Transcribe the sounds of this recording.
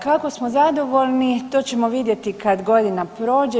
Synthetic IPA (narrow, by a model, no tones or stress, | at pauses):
kako̞smozad̪o̞ʋo̞lnit̪o̞ːt͡ɕe̞moʋid̪je̞t̪ikad̪ɡo̞d̪inapɾo̞ːd͡ʑe